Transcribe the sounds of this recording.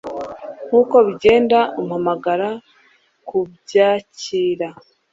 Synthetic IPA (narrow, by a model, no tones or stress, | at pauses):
ŋ̥huːko̞βiɟe̞ːndaomuhamaɡaɾa | kubɟaːciːɾa